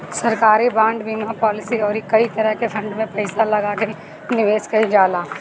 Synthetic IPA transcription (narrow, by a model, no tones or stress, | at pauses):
sɐɾkaːɾibãːɳɖbiːmapɔːlɪsiɔːɾikɐit̪ɐɾəɦkefʰɐ̃ɳɖmẽpɐɪsalɐɡake | nɪʋeːskɐɦid͡ʒaːlaː